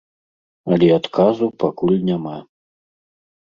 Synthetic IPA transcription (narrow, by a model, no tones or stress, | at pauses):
ɐlʲɛat̪kʰazupakulʲnʲama